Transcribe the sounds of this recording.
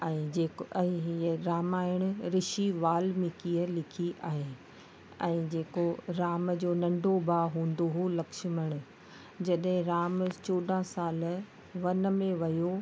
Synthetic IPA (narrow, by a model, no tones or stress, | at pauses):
ɛ̃ːd͡ʑeːɛ̃ɦiəɾaːmaːɪɽ̃ɾɪʃiʋaːlmẽkiːəlɪkʰiʔaːɦeː | ɛ̃ːd͡ʑeːkoɾaːmd͡ʑoːnɐ̃ɳɖʱobʱaːɦũːn̆d̪oɦulɐkʃməɽ̃ʊ̆ | d͡ʑɐɗɦɪ̃ɾaːmt͡ɕoːɗ̪ãsaːl | ʋɐnmẽʋɐjo